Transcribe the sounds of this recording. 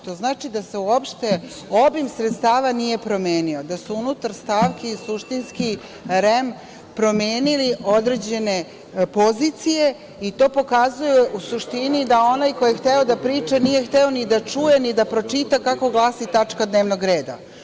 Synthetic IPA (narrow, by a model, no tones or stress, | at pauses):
t̪o̞znaːt͡ʃid̪ase̞uo̞pʃt̪e̞ | o̞bimsɾet̪st̪aːʋanije̞pɾo̞meːnio̞d̪asuunut̪aɾst̪aːʋkesuʃt̪inski | ɾem | pɾo̞me̞ːnilio̞d̪ɾe̞d͡ʑe̞ne̞ | po̞zit̪sije̞ | it̪o̞ːpo̞kazujeʔusuʃt̪inid̪ao̞najko̞jext̪eo̞d̪apɾiːt͡ʂanije̞xt̪eo̞nid̪at͡ʂujenid̪apɾo̞t͡ʃit̪akako̞ɡlˠaːsit̪at͡ʂkad̪ne̞ːʋnoɡɾeːd̪a̰